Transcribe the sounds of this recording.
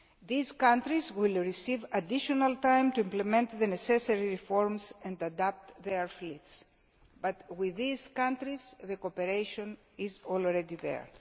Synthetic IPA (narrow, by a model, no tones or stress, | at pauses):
ðizkãnt̪ɾizwilɹisivad̪iʃonalt̪ãjmt̪uĩmplemẽnt̪ðeneseseɹiɹifoɹmsɛ̃nd̪ad̪ap̚t̪ðeɹflit̪s | bat̪wiðiz̥kãnt̪ɾizðekopeɾejʃõn | izolɾed̪iðḛɹ